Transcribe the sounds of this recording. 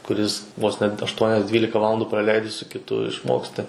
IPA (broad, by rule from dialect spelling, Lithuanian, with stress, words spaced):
kʊˈrʲɪs ʋoːs nʲɛt ɐʃˈtuɔnʲɛs ˈdʲʋʲiːlʲɪkɐ ˈʋɑːlˠɐndʊ prɐˈlʲɛɪdʲɪ sʊ kʲɪˈtʊ ɪʃˈmoːksʲtʲɪ